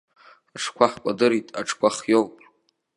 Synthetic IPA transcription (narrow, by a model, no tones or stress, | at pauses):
aʂʰkʷʰaħkʷʼadɨɾitʼa̰ʈ͡ʂʰkʷʰaχjowpʼ